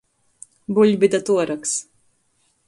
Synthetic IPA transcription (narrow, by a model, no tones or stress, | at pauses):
buʎʲbid̪at̪uɔɾaks